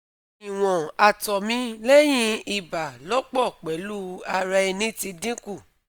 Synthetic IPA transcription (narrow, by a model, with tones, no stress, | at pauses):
i˨w̃ɔ̃˨a˧tɔ˨mĩ˦le˦j̃ĩ˧˦i˦˨ba˨lɔ˨˦k͡pɔ˦˨k͡pɛ˨˦lu˦a˧ɾa˧i˧nĩ˦ti˧dĩ˦ku˦˨